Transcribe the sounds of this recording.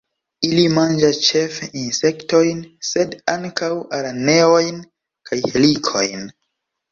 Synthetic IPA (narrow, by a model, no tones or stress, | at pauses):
ilimand͡ʒast͡ʃe̞feinse̞kto̞jnse̞daŋkawaɾane̞o̞jn | kajhelikʰo̞̰jn